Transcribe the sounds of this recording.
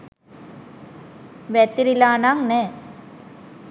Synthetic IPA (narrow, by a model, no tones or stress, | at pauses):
ʋɛt̪ːiɾilaːnaŋne